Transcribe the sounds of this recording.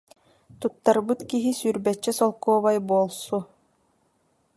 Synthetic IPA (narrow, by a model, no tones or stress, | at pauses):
t̪ut̪ːaɾbɯt̪kiɦisyɾbɛt͡ʃːɛsɔlˠkuːβajbuɔlˠsu